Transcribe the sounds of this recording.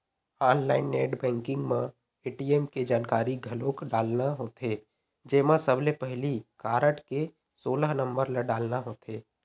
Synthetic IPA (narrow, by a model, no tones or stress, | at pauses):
aːnlaːɪnːeːʈbɛ̃ːŋkɪ̃ŋɡmẽ | eːʈiːeːmked͡ʒaːnkaːɾiɡʱɐloːkɖaːlnaɦoːt̪e | d͡ʒeːmãsəblepɛɦlikaːɾəʈke | soːləɦnə̃mbəɾləɖaːlnaɦoːt̪eː